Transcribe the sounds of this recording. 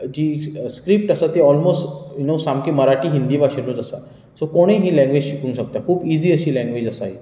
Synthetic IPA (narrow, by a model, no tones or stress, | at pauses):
d͡ʑiːskɾip̚ʈəsat̪eɔlmosʈjnosamkiːməɾaʈiːɦind̪iːʋaɕinũːt̪əsa̰ | sokoɽ̃eɦĩːlɛ̃ŋɡʋed͡ʑɕikuːnɕak̚t̪jakʰuːpiziːəɕiːlɛ̃ŋɡʋed͡ʑəsaɦi